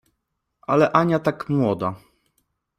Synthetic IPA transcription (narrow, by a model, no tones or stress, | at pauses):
ʔalɛʔaɲat̪akmwɔd̪a